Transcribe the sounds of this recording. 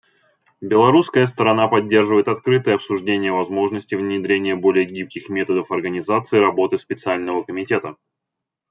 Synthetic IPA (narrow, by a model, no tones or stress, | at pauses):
bʲɪlˠɐɾuskəjəst̪əɾɐnapɐdʲːe̞rʐɨvəjɪt̪ɐt̪kɾɨt̪ɨjəɐpsʊʐdʲenʲɪjəvɐzmo̞ʐnəsʲtʲɪvnʲɪd̪ɾʲenʲɪjəbo̞lʲɪjəɡʲip̚kʲɪxmʲe̞t̪əd̪əfɐrɡənʲɪzat̪sɨːɾɐbo̞t̪ɨspʲɪt̪sɨalʲnəvəkəmʲɪtʲe̞t̪ə